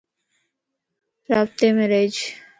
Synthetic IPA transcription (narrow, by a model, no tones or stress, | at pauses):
pɾaːp̚t̪emeɾed͡ʒ